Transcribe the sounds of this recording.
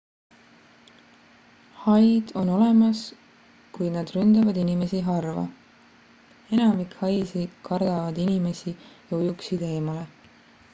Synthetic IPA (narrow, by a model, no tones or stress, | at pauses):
hɑjd̪̥o̞no̞le̞mɑs | kujnɑd̪̥rynd̪̥ɑvɑd̪inime̞siɦɑrvɑ̰ | e̞nɑmikhɑjsikʰɑrd̪̥ɑvɑd̪inime̞sijɑujuksid̪e̞ːmɑle̞